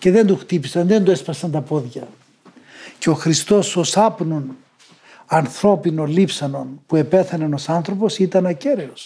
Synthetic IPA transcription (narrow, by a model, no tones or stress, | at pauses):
ce̞ðe̞nd̪uxt̪ipisɐnðe̞nd̪uespɐsɐnt̪ɐpo̞ðʝɐ | ceo̞xɾist̪o̞sosɐpnun | ɐnθɾo̞pinolipsɐno̞npue̞pe̞θɐneno̞sɐnθɾo̞po̞sit̪ɐnɐce̞ɾeos